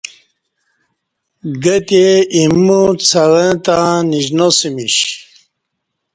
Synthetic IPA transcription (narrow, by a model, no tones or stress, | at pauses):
ɡət̪eimːut͡sʰaɾə̃t̪ãniʑnosimiɕ